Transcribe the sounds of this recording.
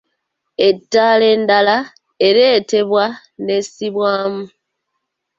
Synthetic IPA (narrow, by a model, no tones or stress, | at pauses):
e̞tːale̞ndala | eɾe̞ːte̞βwa | ne̞siβwaːmu